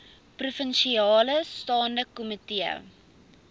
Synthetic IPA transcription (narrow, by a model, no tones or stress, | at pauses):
prufənʃiɑːləstɑːndəkumətiə̰